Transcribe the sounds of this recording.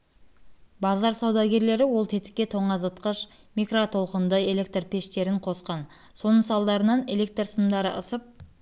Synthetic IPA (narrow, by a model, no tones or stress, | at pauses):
bɑzɑɾsɑwd̪ɑɡʲe̞ɾle̞ɾɪwo̞lˠt̪ʰe̞t̪ɪ̥kʲːe̞t̪ʰo̞ɴɑzət̪qəʃ | mikrot̪ʰo̞lˠqənd̪əe̞le̞kt̪rpʰe̞ʃt̪e̞ɾɪɴqʰo̞sqɑn | so̞nəsɑlˠd̪ɑɾənɑne̞le̞k̚t̪rsəmd̪ɑɾəʔəsəp̚